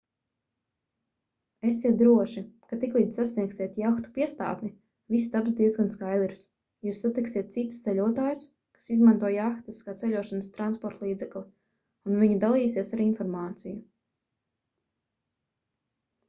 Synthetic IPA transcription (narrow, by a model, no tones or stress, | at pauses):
esːiɛt̪̚d̪ɾuɔʃikat̪iklˠiːd̪sasniɛksiɛt̪jaxt̪u̥piɛst̪a̰ːt̪ni | vis̬t̪absd̪iɛzɡanskajd̪ɛɾs | juːsːat̪iksiɛt̪̚t̪sit̪u̥st̪ɛʎʲuɔt̪aːjʊs | kḁsizmant̪uɔjaxt̪iskaːt̪sɛʎʲuɔʃanəst̪ɾanspɔɾt̪lˠiːd̪zɛklʲˠi | unviɲid̪alˠijsiɛsaɾinfɔɾmaːt̪siju